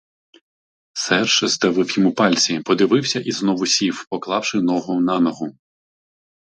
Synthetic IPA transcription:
sɛrʃɪzd̪ɐʋɪwjimʊpɑlʲsʲipɔd̪ɪʋɪwsʲɐʔiznɔʋʊsʲiwpɔklˠɑwʃɪnɔɦʊwnɑnɔɦʊ

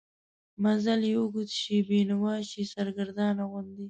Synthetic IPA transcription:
mazaljewuɡut̪ʃibenawɑʃisaɾɡaɾd̪ɑnaɣʊnd̪i

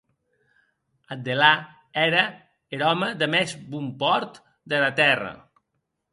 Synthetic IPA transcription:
əd̪ela | ɛɾə | eɾɔməðəmɛzbumpɔɾt̪ | d̪əlat̪ɛrə̰

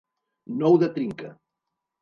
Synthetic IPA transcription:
nɔwðət̪ɾiŋkə

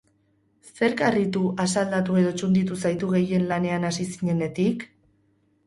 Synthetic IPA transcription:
se̞ɾkarit̪uʔasald̪at̪ue̞ð̞o̞t͡ʃund̪it̪usajt̪uɣ̞e̞je̞nlane̞anasisiɲe̞ne̞t̪ik

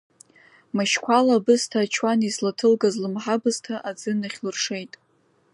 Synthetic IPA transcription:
maʃkʷʰalabɨstʰaːt͡ʃʰwanislatʰɨlɡazlɨmħabɨztʰaʔad͡zɨnaχʲlɨrʂejtʼ

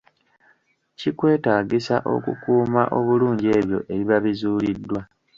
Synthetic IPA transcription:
cikwe̞ːtaːɡisa̰ʔo̞̰kukuːmaʔo̞βuluːɲɟe̞ːβjo̞̰ʔe̞βiβaβizuːlidːwa

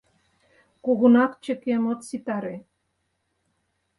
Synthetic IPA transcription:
kuɣunɑkt͡ɕə̆kemot̪sit̪ɑɾe

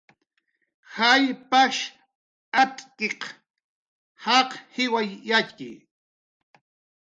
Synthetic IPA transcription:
hajpaʃ | at̪ʼkeq | hɑqhɪwajːat͡ʃkɪ̰j

